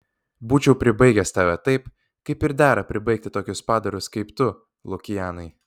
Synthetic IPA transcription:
buːt͡ʃʲɛʊpʲɾʲɪbɐɪɡʲɛst̪ɑːʋʲɛt̪ɐɪp | kɐɪpɪɾd̪ʲæːɾɐpʲɾʲɪbɐɪk̚t̪ʲɪt̪oːkʲʊspɑːd̪ɐɾʲʊskɐɪpt̪ʊ | lˠʊkʲɪjæːnɐɪ

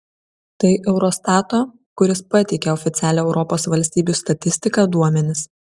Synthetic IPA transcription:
t̪ɐɪʔɛʊɾɔst̪ɑːt̪oː | kʊɾʲɪspɐt̪ʲɛɪkʲɛɔfʲɪt̪sʲæːlʲɛːɛʊɾɔpoːsʋɐlʲsʲt̪ʲiːbʲuˑst̪ɐt̪ʲɪsʲt̪ʲɪkɑd̪uɔmʲɛnʲɪs

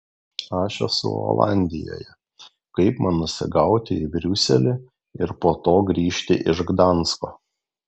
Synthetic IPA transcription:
ɑːʃʲo̰sʊ̰o̰ːlˠɑ̰ˑnʲd̪ʲɪjo̰ːjɛ | kɐɪpmɐnnʊsʲɪ̰ɡɐʊt̪ʲɪɪbʲɾʲʊsʲɛlʲɪ | ɪɾpoːt̪oːɡɾʲiːʃʲt̪ʲɪʔɪʒɡd̪ɑˑnskoː

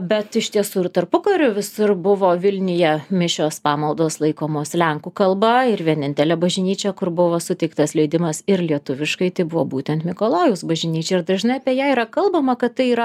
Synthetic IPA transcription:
bʲɛt̪ɪʃʲt̪ʲiɛsuːɪɾt̪ɐrpʊkɐɾʲʊʋʲɪsʊrbʊʋoːʋʲɪlʲnʲɪjɛmʲɪʃʲoːspɑːmɐlˠd̪oːslˠɐɪkoːmoːslʲɛŋkukɐlˠbɐɪɾʋʲiɛnʲɪnʲt̪ʲɛlʲɛbɐʒʲɪnʲiːt͡ʃʲɛkʊɾbʊʋoːsʊt̪ʲɛɪkt̪ɐslʲɛɪd̪ʲɪmɐsɪrlʲiɛt̪ʊʋʲɪʃkɐɪt̪ɐɪbʊʋoːbuːt̪ʲɛnt̪mʲɪkoːlˠoːɡʲʊsbɐʒʲɪnʲiːt͡ʃʲɛɪɾd̪ɐʒʲɪnɐɪɐpʲiɛjæːiːɾɐkɐlˠbɐmɐkɐt̪t̪ɐɪiːɾɐ

